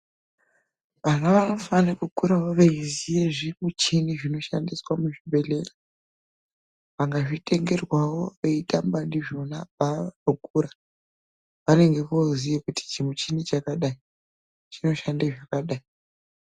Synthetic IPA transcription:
ʋanɡaʋano̞fanakukuɾawo̞ʋeizijeʐimut͡ʃiniʐino̞ʃa̰ndiswamuʐibʱe̞le̞ra | ʋaŋɡaʐitʼe̞ŋɡe̞rwawo̞ʋeitambandiʐo̞nabaukuɾa | ʋane̞ŋɡe̞kozijekuti̥t͡ʃimut͡ʃinit͡ʃakaɗai | t͡ʃino̞ʃandaʐakaɗai

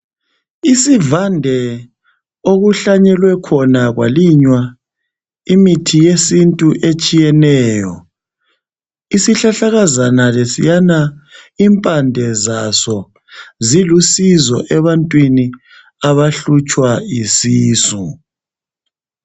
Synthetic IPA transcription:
isivandʱɛ | oɣuɬaɲɛlwɛkʰɔnaɣwa̰liɲwa | imitʰijesintʼuʔet͡ʃʼijɛnɛːjɔ̰ | isiɬaɬaɣazanalesijanaiːmpʼandʱɛzasɔ | zilusizɔʔɛβantʼwini | aβaɬut͡ʃʼwaisiːsu

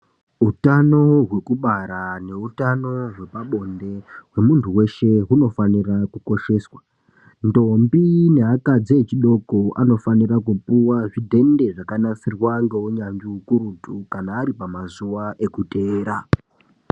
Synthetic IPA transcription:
ɦutano̞ɦwe̞kuɓaɾane̞utano̞ɦwe̞paɓo̞nde̞we̞muntʰuwe̞ʃe̞ɦuno̞fanirakuko̞ʃe̞ːswa | ndo̞mbine̞ɦakad͡zet͡ʃiɗo̞ko̞ano̞fanirakupuwaʐidʱe̞nde̞ʐakanasirwaŋɡe̞woɲaɲd͡ʒiukurutukanaːɾipamazuwaʔe̞kute̞ːɾa

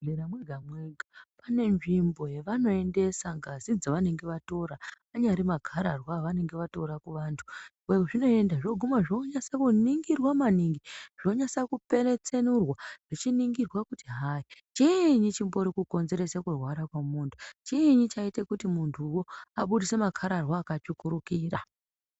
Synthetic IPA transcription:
eɾamweɡʱamweɡʱapane̞ʐimbo̞jeʋano̞e̞nde̞saŋɡazid͡zaʋane̞ŋɡe̞ʋato̞ɾaaɲaɾimaɡʱaɾarwaʋane̞ŋɡe̞ʋato̞ɾakuʋaːntʰu̥ | eʐino̞e̞ndaʐoɡʱumaʐoɲasakuniŋɡirwamaniŋɡiʐ̥o̞ɲasakupe̞re̞t͡se̞nurwaʐ̥et͡ʃiniŋɡirwakutiɦait͡ʃeɲit͡ʃimbo̞ɾikuko̞nze̞ɾe̞sekurwaɾakwamuːntʰu̥t͡ʃeɲit͡ʃaitekutimuntʰuwoaɓuɗisemakʰaɾarwaːkat͡ʃukuɾukiːra

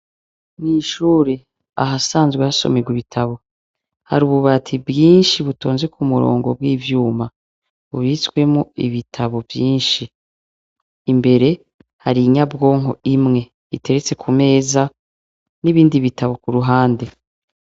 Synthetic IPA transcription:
niːʃuːɾe | a̰ɦasaːnzɡwehaso̞̰meɡwiβitʰaβo̞ | ha̰ɾuːβuβatʰibɡiːnʃiβutoːnze̞kumuɾo̰ːŋɡo̞b̚wiːvjuːma | βuβiswe̞muiβitʰaβo̞vjiːnʃi | mbe̞ɾe̞ | haɾiɲabɡo̞ːŋo̞̰imŋe̞ | ite̞ɾet͡se̞kʰume̞ːza | niβiːndiβitʰaβo̞kuɾuɦaːnde̞

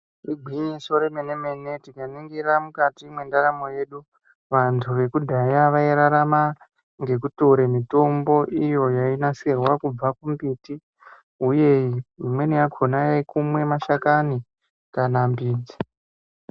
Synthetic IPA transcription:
iɡʱwiɲiso̞ɾemeneme̞ne̞tikaniŋɡiɾamukatimwe̞ndaɾamo̞je̞ɗu | ʋantʰuʋe̞kudʱajaʋaiɾaɾama | ŋɡe̞k̬uto̞ɾemito̞mbo̞ʔijo̞jainaserwakub͡vakumbiti | uje̞iimwenijakʰo̞najekumwe̞maʃakani | kanambiːd͡zi

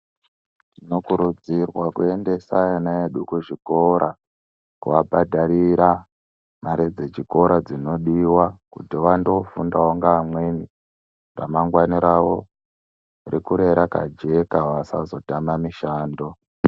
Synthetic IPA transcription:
inokuɾud͡zirwakue̞nde̞sajanaeɗukuʐiko̞ɾa | kuʋabʱadʱaɾiɾa | maɾed͡zet͡ʃiko̞ɾad͡zino̞ɗiwakutiʋando̞fundawoŋɡaːmweni | ra̰maŋɡwaniɾawo̞ | rikuɾe̞ɾaka̰d͡ʒe̞kaʋasa̰zo̞tamamiʃaːndo̞

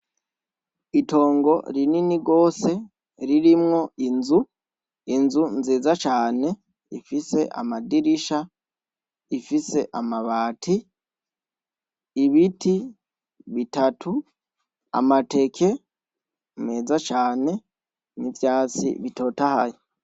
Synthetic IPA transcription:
ito̞ːŋɡo̞ɾininiɡo̞ːse̞ | ɾiɾimŋo̞inzu | inzunzeːzat͡ʃaːne̞ | ifise̞ʔa̰madiɾiʃa | ifise̞ʔamaβaːtʰi | βitʰi | βitatʰu | a̰mate̞kʰe̞ | meːzat͡ʃaːne̞ | nivjaːt͡sḭβito̞ːtahajo

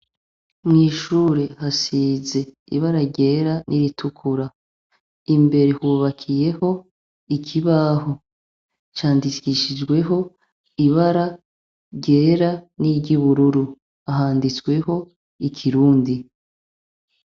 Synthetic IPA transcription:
mŋiːʃuːɾe̞hasiːze̞ | ḭβaɾaɾɟe̞ːɾanʔiɾitʰukʰuɾa | imbe̞ɾe̞huːβakʰije̞ho̞ | ikʰiβaɦo | t͡ʃaːndiiʃid͡ʒɡwe̞ɦo̞ | iβaɾa | ɟe̞ːɾaniɟiβuɾuɾu | aɦaːndit͡swe̞ho̞ | ikʰiɾuːndi

